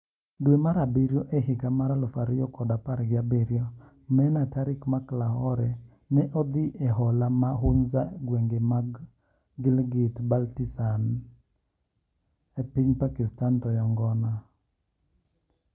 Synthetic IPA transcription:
dwemaɾabiɾjoʔehɪɡamaɾalɔfaɾɪjɔkɔdapaɾɡɪabiɾjɔ | mɛnataɾɪkmaklaɦɔɾɛ | nɛʔɔd̪ɪʔeɦɔlamaɦʊnzaɡweŋɡemaɡ | ɡɪlɡɪtbaltisan | epiɲpakistantɔjɔŋɡɔna

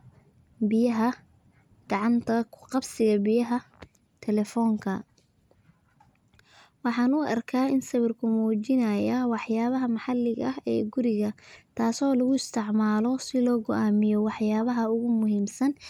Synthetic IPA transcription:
bɪjɐɦɐ | ɡ̥ɑʕɑnt̪ʰɐkʰʊ̥qɑbsɪɣɐbɪjɐɦɐ | t̪ʰɛlɛfɔːŋkʰɐ | wɑħɑːnʊʔɐ̰rkʰaːɪnsɐβɪrkʰʊmuːt͡ʃɪnɐjawɑħjaːβɐɦɐmɑħɑlɪɣɐhɛ̰ːɡʊɾɪɣɐt̪ʰaːsɔːlɐɣʊɪst̪ʰɪʕmaːlɔsɪlɔːɡɔʔaːmɪjɔwɑħjaːβɐɦɐʊɣʊmʊɦiːmsɐn

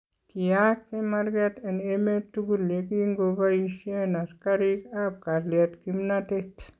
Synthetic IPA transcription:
kijakkemɐɾɡat̪ɐnemet̪ːuɡulekiŋɡobaisenɐskaɾikab̚kalijat̪kimnat̪et̪ʰ

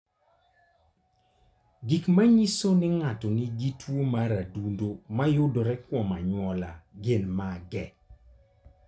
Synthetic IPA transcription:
ɡikmaɲisonɪŋatɔniɡitwomaɾadundomajʊdoɾɛkwɔmaɲwɔlaɡɪnmaɡɛ

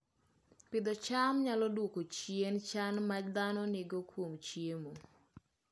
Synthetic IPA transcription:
pɪd̪ɔt͡ʃamɲalɔdwokot͡ʃient͡ʃanmad͡ʒd̪anɔnɪɡokwomt͡ʃjemo

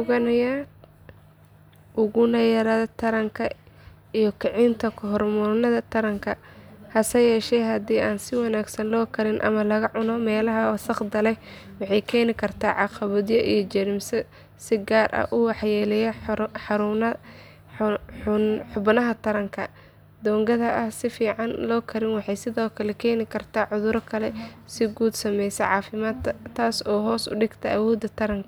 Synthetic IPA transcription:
ʊɣɐnɐja | ʔʊɣʊnɐjɐɾɐðɐt̪ʰɐɾɐŋkʰɐ | ijɔkʰɪʕɪnt̪ʰɐkʰɔɦɔrmʊɾnɐðɐt̪ʰɐɾɐŋkʰɐhɐsɐjɛːʃɛjɦɐd̪iːaːnsɪwɑnaːɡsɐnlɔːkʰɐɾɪnʔɐ̰mɐlɐɣɐʕʊnɔmɛːlɐɦɐwɑsɐχd̪ɐlɛjwɑħɑjkʰɛːnɪkʰɐrt̪ʰaːʕɑqɑβɐðjɐʔijɔt͡ʃɐɾɪmsɐ | sɪɡaːrʔɐ̰ʔʊwɑħjɛːlɛjɐħɑɾʊnɐ | ʊnħʊbnɐɦɐt̪ʰɐɾɐŋkʰɐ | d̪ɔːŋɡɐðɐʔɐhsɪfiːʕɑnlɔːkʰɐɾɪnwɑħɑjsɪðɔːkʰɐlɛkʰɛːnɪkʰɐrt̪ʰaːʕʊðʊɾɔkʰɐlɛsɪɡuːd̪sɐmɛjsɛʕɑːfɪmaːd̪t̪ʰaːsɔːɦɔːsʊ̰ɖɪɡt̪ʰɐʔɐwɔːd̪ɐt̪ʰɐɾɐŋkʰɐ

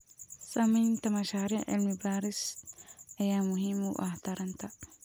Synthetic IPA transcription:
sɐmiːnt̪ɐmɐʃaːɾɪʔɪ̰lmɪbaːɾɪs | ʔɐjaːmʊɦɪmːuːʔaht̪ɐɾɐnt̪ɐ

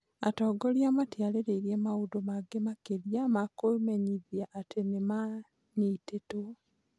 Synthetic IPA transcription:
atɔːɡoljamatjaleɾeiɾjemaudomaɡemakeljamakomeɲiðjaʔːtʰenema | niːteto

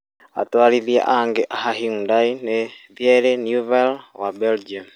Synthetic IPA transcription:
a̰twaːliðja̰ʔaŋɡeʔaɦaɦiudaineðjeɾenjuvelwabeld͡ʒiam

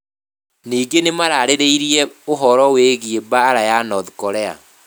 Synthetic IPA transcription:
niːɡenemaɾaːɾeɾeiɾiɛoɦɔɾɔweɣiebaːɾajanɔðukɔɾɛa̰

